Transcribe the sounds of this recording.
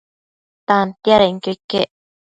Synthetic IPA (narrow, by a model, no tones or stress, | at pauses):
t̪ant̪jaɾeiŋkekeʔ